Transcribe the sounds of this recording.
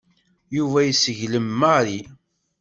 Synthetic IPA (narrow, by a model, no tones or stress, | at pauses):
juvæjsəʝləmːaɾi